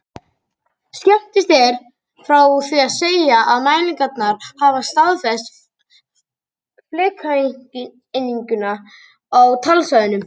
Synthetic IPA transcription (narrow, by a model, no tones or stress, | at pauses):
skɛm̥t̪ɪst̪ɛɾ̥ | fɾawθviaðseːjaʔaðmaːjniŋkat̪naɾ̥haːvast̪aðfɛst̪ | flɪːkʰa | ɪnːiɲkʏna | awt̪ʰalsaðʏnʏm